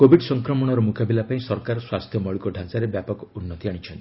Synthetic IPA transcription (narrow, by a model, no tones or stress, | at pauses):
kobʱiɖsɔŋkɾɔmɔɽ̃ɔɾɔmukabilapaĩsɔɾkaɾɔswast̪ʰjɔmɔɭikɔɖʱãsaɾebjapɔkɔunːɔt̪iaɽit͡ʃʰɔnt̪i